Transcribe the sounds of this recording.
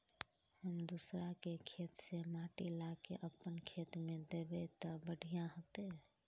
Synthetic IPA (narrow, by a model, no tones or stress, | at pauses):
həmd̪usɾakekʰet̪semaʈilakḛʔəpːənkʰet̪mẽd̪ebet̪əbəɽ̤ʱijãɦot̪e